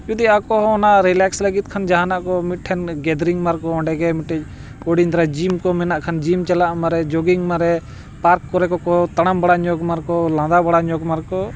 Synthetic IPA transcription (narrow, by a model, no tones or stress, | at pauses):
d͡ʒud̪iaakɔɦɔ̃ɔnaʔɾilɛkslaɡit̪̚kʰand͡ʒaɦanaʔkɔmit̪̚ʈʰɛnɡɛd̪ɾiŋmaɾkɔɔ̃ɖɛɡɛmiʈɛd͡ʒ | oɽind̪ɾad͡ʒimkɔmɛnaʔkʰand͡ʒimt͡ʃɛlaʔmaɾɛd͡ʒɔɡiŋmaɾɛ | paɾkːɔɾɛkɔkɔt̪aɽ̃ambaɽaɲɔɡmaɾkɔlãd̪abaɽaɲɔɡmaɾkɔ